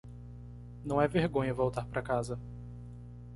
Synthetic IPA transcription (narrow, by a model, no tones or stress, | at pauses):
nɐ̃w̃ɛveɾɡõɲɐvowt̪aɾpɾʔɐkazɐ